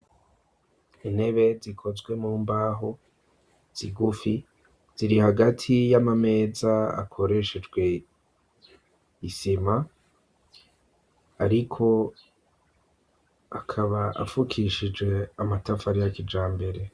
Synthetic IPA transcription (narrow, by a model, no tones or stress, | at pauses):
ine̞βe̞zikʰo̞zɡwe̞muːmbaːɦo | z̥iɡufi | z̥iɾihaɡatʰijamame̞ːzaa̰kʰo̞ɾe̞ʃed͡ʒɡwe̞ | isima | ɾikʰo̞ | akʰaβaʔa̰fukʰiʃid͡ʒɡe̞amatafaɾijakid͡ʒaːmbe̞ɾe̞